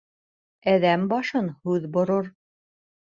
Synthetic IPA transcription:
æðæmbɑʃɤnhʉðbŏɾoɾ

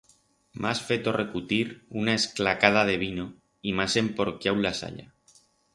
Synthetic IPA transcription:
mʔasfet̪o̞rekut̪iɾunaesklakað̞aðe̞β̞ino | imase̞mpoɾkjawlasa̰ʎa̰

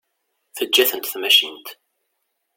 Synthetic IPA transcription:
θəd͡ʒːæθənt̪θmæʃint̪

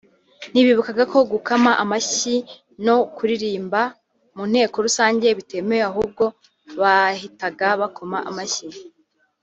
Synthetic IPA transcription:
niβiβukaɡako̞ɡukamaʔamaʃi | no̞kuɾiɾiːmba | mun̥he̞ːko̞ɾusaːɲɟe̞βite̞mejeaɦub̚ɡo̞ | βahitaɡaβakʰo̞maʔamaçi

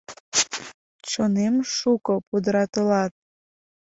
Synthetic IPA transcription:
t͡ɕonemʃukopud̪əɾɑt̪əlɑt̪̚

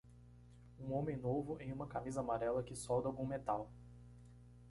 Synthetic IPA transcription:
ũõmẽj̃novʊʔẽj̃ũmɐkamizɐamaɾɛlɐkɪsɔwd̪awɡũmet̪aw

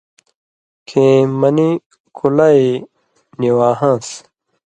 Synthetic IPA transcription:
kʰẽːmɐni | kʰulai | niwaːɦãːs

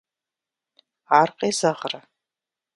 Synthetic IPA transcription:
aːrqʼeːzɐʁrɐ

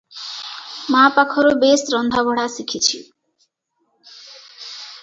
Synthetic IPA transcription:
mapakʰɔɾubesɾɔnd̪ʱabʱɔɽasikʰit͡ʃʰḭ

